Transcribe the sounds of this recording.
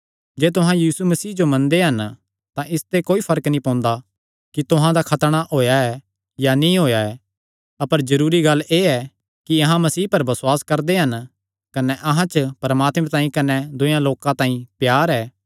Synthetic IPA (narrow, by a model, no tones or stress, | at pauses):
d͡ʒeːt̪ʊɦãjiːsumɐsiːd͡ʒomɐ̃nd̪eɦɐn | t̪ãʔɪst̪ekoːipʰɐɾəknĩpɔ̃ːnd̪a | kit̪ʊɦãd̪akʰɐt̪ɽ̃aʔoːjaɛ | janĩɦoːjaɛː | ɐpəɾzɐɾuːɾiɡɐlːeːɛ | kiɐɦãmɐsiːpɐɾbɐswaːskɐɾd̪eɦɐn | kɐnɛʔɐɦãt͡ʃpɐɾɐmaːt̪mɛẽt̪ãːĩkɐnɛd̪ʊjãloːkãt̪ãːĩpjaːɾɛː